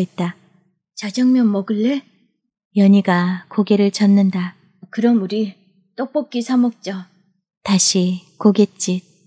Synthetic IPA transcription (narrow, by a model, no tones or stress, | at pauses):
it̚t͈a | t͡ɕad͡ʑʌŋmjʌnmʌɡɯɭːe̞ | jʌɲiɡakoɡe̞ɾɯɭt͡ɕʌnːɯnda | kɯɾʌmuɾi | t͈ok̚p͈ʌp̚k͈isʰamʌk̚t͡ɕ͈ʌ | taɕʰikoɡe̞t̚t͡ɕ͈i